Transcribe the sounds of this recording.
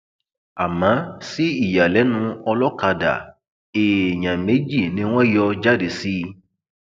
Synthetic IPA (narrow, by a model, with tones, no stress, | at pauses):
a˨mã˨˦si˦i˦˨ja˨lɛ˨˦nũ˧ɔ˧lɔ˦ka˧da̰˨ | e˨e˨ɲã˨me˨˦d͡ʒi˦˨nĩ˨˦w̃ɔ̃˦jɔ˧d͡ʒa˦de˨si˦˧